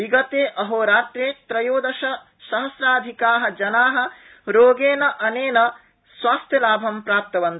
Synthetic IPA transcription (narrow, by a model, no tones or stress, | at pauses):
iɡɐt̪eːʔɐɦoːɾaːt̪ɾeːt̪ɾɐjoːd̪ɐʃɐ | ʃɐɦɐsɾaːd̪ʱikaːɦɐ̆d͡ʒɐnaːɦɐ̆ | ɾoːɡeːnɐʔɐneːnɐ | swaːst̪ʰjɐlaːbʱɐmpɾaːp̚t̪ɐʋɐnt̪